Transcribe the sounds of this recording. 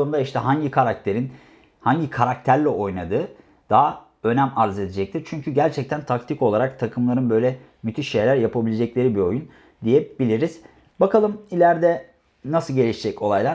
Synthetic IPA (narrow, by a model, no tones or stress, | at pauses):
ound̪aiʃt̪ʰɛɦaɲɟikʰaɾak̚t̪ʰeɾin | haɲɟikʰaɾak̚t̪ʰæɾlʲɛʔo̞jnad̪ɯː | d̪̥aɦa | ø̞næmaɾze̞d̪ed͡ʒɛc̚t̪ʰiɾt͡ʃʰyɲcʰyɟæɾt͡ʃʰɛc̚t̪ʰænt̪ʰakt̪ʰiko̞lˠaɾak̚t̪ʰakʰɯmlˠaɾɯnbø̞jlʲɛ | myt̪ʰiʃːe̞jlʲæɾjapʰabilʲed͡ʒɛclʲe̞ɾibio̞jun | d̪ijɛbilʲiɾiz̥ | bakalˠɯmilʲæɾd̪ɛ | nasɯlˠɟe̞lʲiʃid͡ʒɛco̞lˠajlˠa